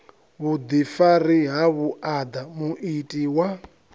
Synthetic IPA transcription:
βud̪ifaɾiɦaβuʔad̪amuʔitʼiwa

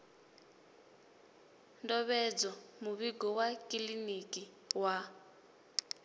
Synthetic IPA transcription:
ndɔβɛd͡zɔmuβiɡɔwakʼilinikʼi | wa

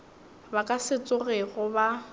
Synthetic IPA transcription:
bakʼasɪt͡sʼʊreɣʊba

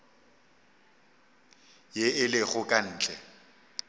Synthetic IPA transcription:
jeɪlɪɣʊkʼan̩ːt͡ɬʼɛ

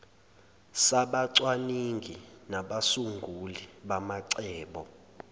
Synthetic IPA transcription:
saɓaǀwaniŋɡʱinaɓasuŋɡʱuliɓamaǀɛːɓɔ

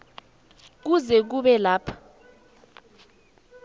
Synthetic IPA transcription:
k̬uzɛk̬uɓɛlaːpʰḁ

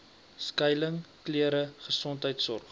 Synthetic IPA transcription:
skəjləŋkliəɾəχəsɔntɦəjtsɔrχ

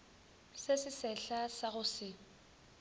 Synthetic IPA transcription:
sesɪsɛɬasaɣʊsɪ

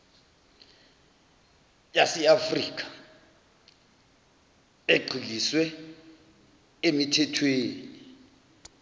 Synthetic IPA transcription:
jasɛafriːk̬ʰʼḁ | eɡ͡ǀʱiliswɛ | emitʰɛtʰweːni

